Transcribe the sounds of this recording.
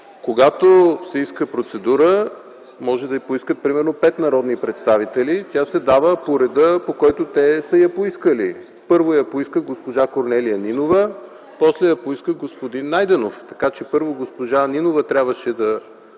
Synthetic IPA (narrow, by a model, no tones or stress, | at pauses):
koɡat̪osɛiskəpɾot̪sɛd̪uɾə | mɔʒɛd̪ɐjipoiskət̪̚pɾimɛɾnopɛt̪nɐɾɔd̪nipɾɛt̪st̪avit̪ɛlit̪ʲasɛd̪avəpoɾɛd̪əpokɔjt̪ot̪ɛsəjɐpoiskəlḭ | pɤɾvojɐpoiskəɡospoʒakoɾnɛlijəninovə | pɔslɛjɐpoiskəɡospod̪inːajd̪ɛnoft̪ɐkat͡ʃɛpɤɾvoɡospoʒaninovət̪ɾʲabvəʃɛd̪ɐ